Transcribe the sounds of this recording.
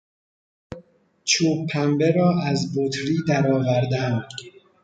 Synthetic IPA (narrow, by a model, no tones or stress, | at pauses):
t͡ʃʰuːbpʰːæmbeɾɒːʔæzbot̪ʰɾiːd̪æɾɒːvæɾd̪æm